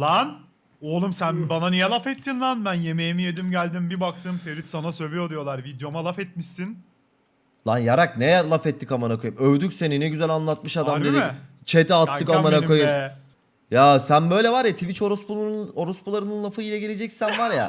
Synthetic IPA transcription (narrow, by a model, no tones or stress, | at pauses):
lˠan | olˠumsænbananijɛlˠafɛt̪ʰːinlˠanbænjemejimijed̪imɟælʲd̪imbibak̚t̪ʰɯmfeɾit̪sanasøvʲijod̪ijo̞lˠaɾvid̪jo̞malˠafɛt̪̚miʃsin | lˠanjaɾak̚nejæɾlˠafɛt̪ʰːikamanakʰojɯmøvd̪ycʲse̞ninɛɟyzælʲanlˠat̪̚mɯʃad̪ammd̪ed̪it͡ʃʰet̪ʰɛalt̪ːɯkamanaojɯ | jasænbø̞jlʲɛvaɾjat̪ʰivit͡ʃoɾuspuoɾuspulˠaɾɯnɯnlˠafɯilʲɛɟele̞d͡ʒɛcsænvaɾja̰